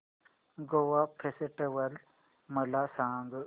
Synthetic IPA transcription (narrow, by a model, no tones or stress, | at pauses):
ɡowapʰesʈeʋɐl | mɐlasaːŋɡ